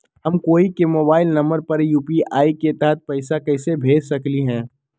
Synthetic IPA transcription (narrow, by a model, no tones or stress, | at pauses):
ɦɐmkoːikemoːbaːɪlnɐ̃mbəɾpɐɾjuːpiaːiket̪ɛɦɛt̪̚pɐɪsakɐɪsebʱeːd͡ʒsɐkliɦɛ̃ː